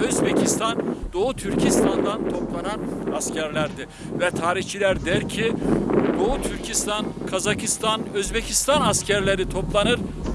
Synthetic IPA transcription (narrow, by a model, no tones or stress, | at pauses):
øzbecʰist̪ʰand̪o̞ut̪ʰyɾcʰist̪ʰand̪ant̪ʰo̞plˠananascʰæɾlʲæɾd̪ɪ | vɛt̪ʰaːɾiçt͡ʃʰilʲæɾd̪ɛɾcʰid̪o̞ut̪ʰyɾcʰist̪ʰankʰazakʰist̪ʰanøzbecʰist̪ʰanascʰæɾlʲeɾit̪ʰo̞plˠanɯɾ